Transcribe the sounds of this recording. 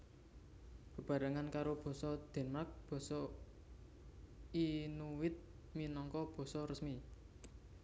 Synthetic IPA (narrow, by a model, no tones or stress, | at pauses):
b̥ə̤b̥ä̤ɾaŋankaɾob̥ɔ̤sɔd̪̥ɛ̤nmark̚b̥ɔ̤sɔ | inuwɪt̪̚ | minɔŋkɔb̥ɔ̤sɔrəsmi